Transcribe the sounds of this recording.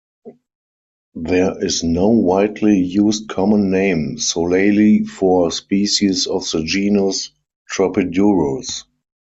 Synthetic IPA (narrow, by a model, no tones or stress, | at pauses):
ðɛɪznoʊwaɪtʰlijuːst̚kʰɔmə̃nːẽɪ̃msoʊleɪlifɔspiːʃisɔfðəd͡ʒiːnʊs | tɹɔpɪdjuɹəs